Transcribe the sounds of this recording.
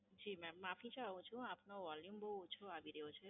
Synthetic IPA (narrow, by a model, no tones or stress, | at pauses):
d͡ʒimɛ̃mapʰit͡ʃʰaaũt͡ʃʰũapnoʋɔljumboɦut͡ʃʰoabiɾeɦot͡ʃʰe